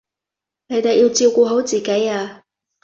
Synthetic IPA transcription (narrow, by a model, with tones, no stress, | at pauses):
ne˨˧jt̪e˨jːiː˧wt͡siː˧wkɔː˧ɦo˨˥wt͡siː˨˩ke˨˥jaː˧